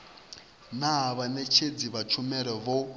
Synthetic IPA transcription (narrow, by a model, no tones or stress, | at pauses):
naβanɛt͡ʃʰed͡ziβat͡ʃʰumɛɾɛβɔ